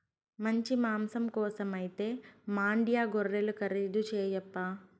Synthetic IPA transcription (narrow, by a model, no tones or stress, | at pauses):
mɐɲt͡ʃimaːmsɐmkɔːsɐmɐjit̪e̞ːmaːɳɖijaːɡorːelukɐɾid̪ut͡ʃɛːjɐpːaː